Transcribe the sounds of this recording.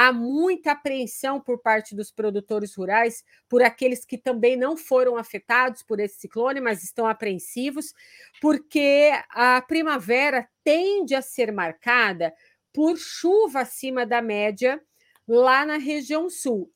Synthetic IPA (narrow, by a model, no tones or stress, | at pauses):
amũj̃t̪ɐapɾẽsɐ̃w̃poɾpaɾt͡ʃɪd̪ʊspɾod̪ut̪oɾɪzhuɾajs | poɾakelɪskɪt̪ɐ̃mbẽj̃nɐ̃w̃foɾɐ̃w̃afet̪ad̪ʊspoɾesɪ̥siklõnɪmɐzɪst̪ɐ̃w̃apɾẽsivʊs | poɾkeɐpɾimavɛɾɐt̪ẽd͡ʒɪɐseɾmaɾkad̪ɐ | poɾʃuvɐːsĩmɐd̪ɐmɛd͡ʒɐ | lanɐɦeʒiɐ̃w̃suw